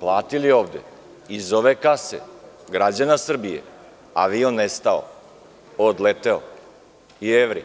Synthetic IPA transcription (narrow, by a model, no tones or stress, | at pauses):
plˠaːt̪ilioːʋd̪ḛ | izoʋekasḛ | ɡɾad͡ʑanasr̩bijḛ | a̰ʋionest̪ao̰ | od̪let̪eo | ieʋɾḭ